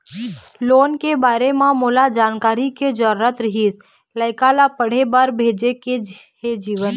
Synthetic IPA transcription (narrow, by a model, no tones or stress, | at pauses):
loːnkebaːɾemãmoːlad͡ʒaːnkaːɾiked͡ʒəɾɾət̪ɾəɦiːs | ləɪkalapəɽ̤ebaːɾbʱeːd͡ʒekehed͡ʒiːʋən